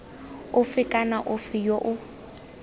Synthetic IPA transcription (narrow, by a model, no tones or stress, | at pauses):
ʊfɪkʼanaʔʊfɪjoʔʊ